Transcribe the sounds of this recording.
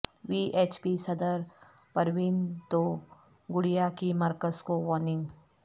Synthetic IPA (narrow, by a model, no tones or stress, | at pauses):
ʋiːʔeːt͡ʃpisɐd̪əɾ | pɐɾʋɪnt̪oː | ɡʊɽijakimɐɾkəzkoʋɔːnɪ̃ŋɡ